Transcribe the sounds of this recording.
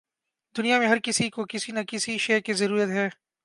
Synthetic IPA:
d̪ʊnijamẽɦɐɾkɪsikokɪsinɐkɪsiʃeːkizɐɾuːɾət̪ɦɛː

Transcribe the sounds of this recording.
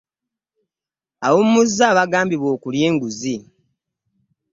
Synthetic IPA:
aβommːuzːaːβaɡaːmbiβwo̞ːkulje̞ːŋɡuzi

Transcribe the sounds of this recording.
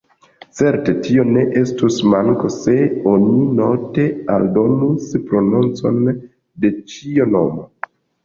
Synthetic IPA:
t͡se̞ɾte̞tio̞ne̞ʔe̞stusmaŋko̞se̞o̞nino̞te̞aldo̞nuspɾo̞nunt͡so̞n | de̞t͡ʃiono̞̰mo

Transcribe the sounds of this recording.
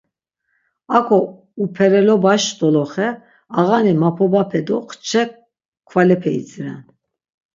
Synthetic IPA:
akʰɔ | upʰɛɾɛlɔbaʃd̪ɔlɔχɛ | aɣanimapʰɔbapʰɛd̪ɔqʰt͡ʃʰɛk | kʰvalɛpʰɛḭt͡sɾɛ̰n

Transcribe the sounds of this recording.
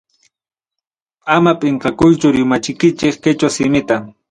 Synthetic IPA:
amapʼɪɴqɑkʊjt͡ʃʊɾɪmat͡ʃɪkɪt͡ʃɪkkɪt͡ʃasɪmɪt̪a

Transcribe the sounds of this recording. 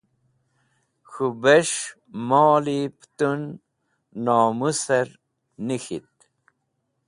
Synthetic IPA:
xubeʂ | mɑːlipt̪unː | ɑːmusəɾ | nixit̪̚

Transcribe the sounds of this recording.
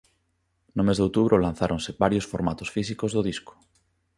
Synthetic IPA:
nomezðowt̪uβɾʔolãn̟θaɾʔonsebaɾjosfoɾmat̪osfis̬ikozðoð̞isko̥

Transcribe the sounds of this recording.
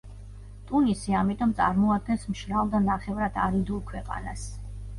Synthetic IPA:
t̪ʼunisiamit̪ʼɔmt̪sʼaɾmɔad̪̚ɡɛnsmʃɾalˠd̪anaχɛvɾat̪ʰaɾid̪ulˠkʰwɛqʼa̰na̰s

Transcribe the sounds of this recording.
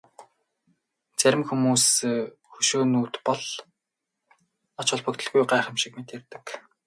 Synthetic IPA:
t͡sæɾʲɪ̆mxumuːsxɵʃoːnuːt̪pɔɮ | ɔt͡ɕʊ̆ɮpɵ̆kt̪ə̆ɮɣujɢæːχə̆mʃikmet̪ert̪ɘ̆k

